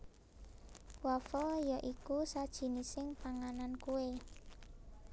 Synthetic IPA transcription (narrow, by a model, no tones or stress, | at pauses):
wafɔjaʔikusad̥ʒ̥i̤nisɪŋpaŋanankue